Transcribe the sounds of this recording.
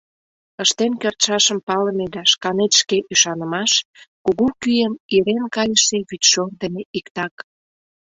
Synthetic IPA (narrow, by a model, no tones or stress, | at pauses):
əʃt̪enkørt̪ʃɑʃəmpɑləmed̪ɑʃkɑnet̪ʃkeʔyʃɑnəmɑʃkuɣukyjəniɾenkɑjəʃeβyt̪ʲʃord̪əmeʔikt̪ɑk